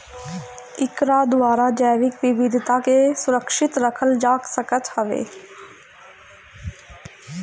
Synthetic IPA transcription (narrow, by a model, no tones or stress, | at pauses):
ɪkɾad̪ʊaːɾad͡ʒəːʋɪkʋɪʋɪd̪ʱɪt̪akesʊɾəkʃɪt̪ɾəkʰəld͡ʒaːksəkət̪hɐʋḛː